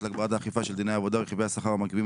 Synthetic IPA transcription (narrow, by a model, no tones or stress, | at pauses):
lak̚baat̪aːχifaʃeld̪inejaːvod̪aeχivejhasaχaʁamakivi